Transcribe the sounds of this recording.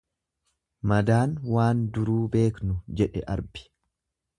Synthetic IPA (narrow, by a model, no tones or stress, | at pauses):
mɐd̪aːnwaːnd̪ʊɾuːbe̞ːknʊd͡ʒɛᶑɛʔɐɾbɪ̥